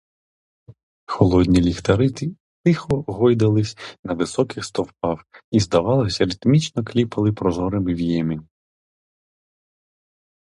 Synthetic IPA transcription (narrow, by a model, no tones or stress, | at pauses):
xɔlˠɔd̪ʲnʲilʲixt̪ɐɾɪt̪i | t̪ɪxɔɦɔjd̪ɐlˠɪsʲnɐʋɪsɔkɪxst̪ɔwpɑwizd̪ɐʋɑlˠɪsʲɐɾɪt̪mʲit͡ʃnɔklʲipɐlˠɪpɾɔzɔɾɐmɪʋʲjɛmʲi